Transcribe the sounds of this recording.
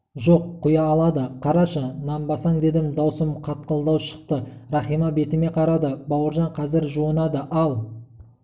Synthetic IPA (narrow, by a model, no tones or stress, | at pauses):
ʒo̞qʰːʊjɑːlˠɑd̪əqʰɑɾɑʃənɑmbɑsɑŋd̪e̞d̪ɪmd̪ɑwsəmqʰɑt̪̚qəlˠd̪ɑwʃə̥q̚t̪əɾɑχijmɑbe̞t̪ɪme̞qʰɑɾɑd̪əbɑwəɾʒɑɴqʰɑzɪɾʒuənɑd̪əʔɑlˠ